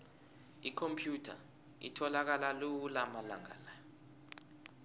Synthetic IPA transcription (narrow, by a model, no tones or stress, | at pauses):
ikʰompʰjutʰa̰ | ḭtʰɔlak̬alalulamala̰ŋa̰ːla